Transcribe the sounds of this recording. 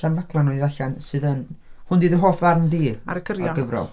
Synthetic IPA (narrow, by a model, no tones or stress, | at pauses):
anvakʰlˠanɔɨðaɬansɨːðənhʊndiːðəɦoːfðarmdiːaɾəɡ̥ʰəɾjɔɡ̥əvrɔ̰lˠ